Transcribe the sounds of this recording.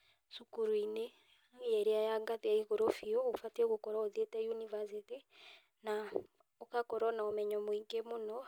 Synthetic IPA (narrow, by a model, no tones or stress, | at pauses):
sukuɾuine | ɛɾiajaŋɡatɛaiɣoɾofiɔofateɣokɔɾaɔðetɛjunivasiti | na | ɔkakɔɾɔnaɔmɛɲɔmwiŋɡemonɔ